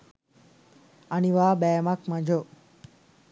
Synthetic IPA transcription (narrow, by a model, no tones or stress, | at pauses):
aniʋaːbɛːmakmad͡ʒo